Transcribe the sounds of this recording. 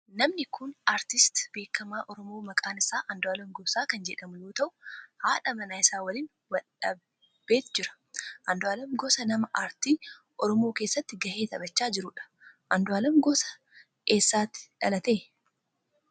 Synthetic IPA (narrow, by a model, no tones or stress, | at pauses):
nɐmnɪkʊnaːɾt̪ɪst̪be̞ːkːɐmaːʔɔɾɔmoːmɐkʼaːnɪsaːʔɐnd̪ʊaːlɐmɡɔbsaːkɐnd͡ʒɛᶑɐmʊjoːt̪ɐʔʊ̥haːᶑɐmɐnaːɪsaːwɐliːn | wɐlɐbː | eːt̪d͡ʒɪɾɐ̥ | ʔɐnd̪ʊaːlɐmɡɔsɐnɐmɐʔaːɾt̪iː | ʔɔɾɔmo̞ːkeːsːɐt̪ːɪɡɐhe̞ːt̪ɐbɐt͡ʃːaːd͡ʒɪɾʊᶑɐ̥ | ʔɐnd̪ʊaːlɐmɡɔsɐ̥ | eːsːaːt̪ɪ̥ᶑɐ̰lɐt̪eː